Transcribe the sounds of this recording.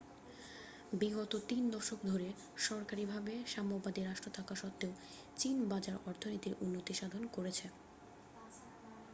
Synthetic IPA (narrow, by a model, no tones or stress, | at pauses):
biɡot̪ot̪ind̪ɔʃokd̪ʱoɾe | ʃɔɾkaɾibʱabeʃamobad̪iɾaʃʈɾot̪ʰakaʃɔt̪ːeo | t͡ɕinbad͡ʑaɾɔɾt̪ʰonit̪iɾʔunːot̪iʃad̪ʱonkoɾet͡ɕʰe